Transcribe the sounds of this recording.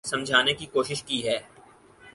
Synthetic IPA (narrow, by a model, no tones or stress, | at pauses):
sɐ̃md͡ʒʱaːnekikoːʃɪʃkiɦɛː